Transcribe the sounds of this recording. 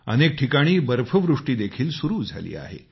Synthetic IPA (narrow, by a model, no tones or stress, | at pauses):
ə̰nek̚ʈʰikaɽ̃iːbəɾfʰəʋɾuʂʈiːd̪ekʰiːlsuɾuːd͡zʱa̰lḭːa̰ɦḛ